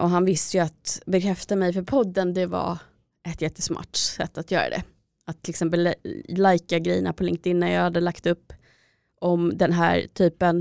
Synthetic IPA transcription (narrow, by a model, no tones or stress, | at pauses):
ʔɔɦanvɪst̪əjɵat̪bɛkʰɾɛft̪amɛjfœɾpʰɔd̪ːənd̪ɛva̰ | ɛt̪jɛt̪ːə̥smɑ̰ːʈsɛ̰t̪ːat̪jœ̰ːɾa̰d̪ɛ̰ | at̪ʰːɪlɪksɛmp̬əllajkaɡɾɛ̰jːənapʰɔlɪŋkt̪ɪnːənjɑːhad̪ːəlakt̪ɵpː | ɔmd̪ɛnɦæ̰ːɾʈ̪ʰyːpən